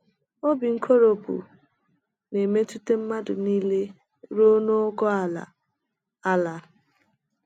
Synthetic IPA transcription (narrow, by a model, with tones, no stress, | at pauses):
o˦bi˨ŋ̩˦kʰo˦ɾo˦pṵ˨ | ne˨me˦tu˦te˦m̩˦ma˦dʊ˨niː˦le˦ | ɾo˦no˦ɡɔ˦a˨la̰˨ | a˦la˨